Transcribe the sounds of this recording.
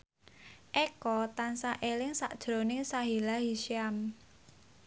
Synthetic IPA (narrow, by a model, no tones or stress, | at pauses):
ʔɛkɔt̪ansaʔelɪŋsa̰ʔd̥ʒ̥ɾo̤nɪŋsaɦilaɦiʃiam